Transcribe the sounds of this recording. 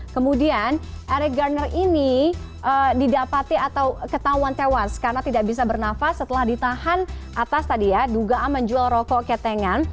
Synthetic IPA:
kəmudian | ʔaɾɛɡarnɛrʔini | ʔədidapat̪iat̪awkət̪auant̪ewaskaɾənat̪idaʔbis̬abərnafasːət̪əlahdit̪ahanʔat̪ast̪adijaduɡaʔamːəɲd͡ʒualrɔkɔʔkɛt̪ɛŋan

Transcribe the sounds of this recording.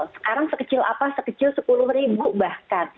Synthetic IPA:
lsə̥kaɾaŋsəkət͡ʃɪla̰pasəkət͡ʃɪlsəpulʊhribubahkan

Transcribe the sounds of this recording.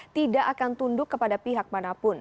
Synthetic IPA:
t̪idaʔakant̪undʊkːəpadapiɦak̚manapʊn

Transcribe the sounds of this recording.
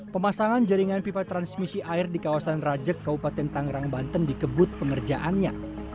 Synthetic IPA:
pəmasaŋand͡ʒəɾiŋanpipat̪ːɾansmisiʔaɪrdikawasanrad͡ʒəkːabupat̪ɛnt̪aŋɾaŋbant̪əndikəbʊt̪̚pəŋərd͡ʒaʔanɲa

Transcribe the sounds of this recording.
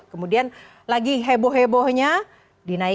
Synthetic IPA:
kəmudian | laɡiɦeboɦebohɲa | dina

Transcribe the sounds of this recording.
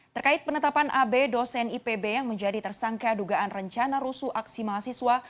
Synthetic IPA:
t̪ərkaɪt̪̚pənət̪apanʔabedosɛnipebejaŋməɲd͡ʒadit̪ərsaŋkaduɡaʔanrəɲt͡ʃanaɾusuʔaksimaɦasiswa

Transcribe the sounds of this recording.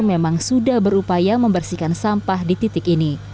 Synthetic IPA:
memaŋsudahbəɾupajaməmbərsikansampahdit̪it̪ɪkini

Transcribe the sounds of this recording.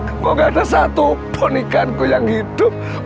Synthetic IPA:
koɡaadas̬at̪upʰɔnikankujaŋhid̥ʊp̚

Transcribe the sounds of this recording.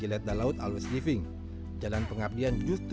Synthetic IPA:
ilɛt̪̚dalaʊt̪alwɛskifɪŋ | d͡ʒalanpəŋap̚diand͡ʒust̪

